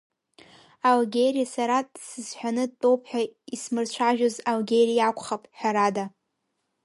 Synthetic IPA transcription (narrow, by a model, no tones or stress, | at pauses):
alɡʲeɾijasaɾadsɨzħʷᶣanɨd̚tʼo̞wpʰħʷᶣaismɨrt͡ɕʷʰaʒᶣozalɡʲeɾijakʷʰʼχapʼħʷᶣaɾada